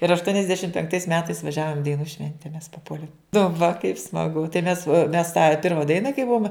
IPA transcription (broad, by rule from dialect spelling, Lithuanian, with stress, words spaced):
ɪr ɐʃtuɔnʲɪzʲˈdʲæːʃʲɪmt pʲɛŋkˈtɐɪs ˈmʲæːtɐɪs ʋɐˈʒʲæːʋoːm ɪ dɐɪˈnuː ˈʃʲʋʲɛnʲtʲɛ mʲɛs pɐˈpuɔlʲeːm nʊ ʋɐ kɐɪp smɐˈɡʊ tɐɪ mʲɛs mʲɛs tɑː ˈpʲɪrmɐ ˈdɐɪnɐ kɐɪ ˈbuɔm